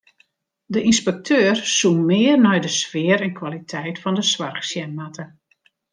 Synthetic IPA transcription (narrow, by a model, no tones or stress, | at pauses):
dəʔinspɛk̚tʰøːrsunmɪːərnɛjdəsfɪəɾɛnkʰwalitʰɛjtfɔndəsʋarxsjɛnmatə